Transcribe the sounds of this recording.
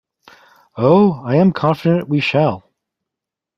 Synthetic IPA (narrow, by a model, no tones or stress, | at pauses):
oʊaɪɨ̃mkʰɑ̃nfɨɾɨ̃nʔwiʃælˠ